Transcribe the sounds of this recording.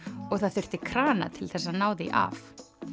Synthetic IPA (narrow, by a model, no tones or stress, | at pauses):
ɔɣθaðθʏr̥t̪ɪkʰɾaːna̰t̪ʰɪlθɛsːanaːwðḭʔa̰f